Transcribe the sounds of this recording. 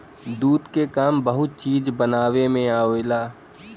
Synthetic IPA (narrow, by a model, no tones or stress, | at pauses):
d̪uːd̪kekaːmbəɦʊt̪̚t͡ʃiːd͡ʒbənaːwemẽaːelaː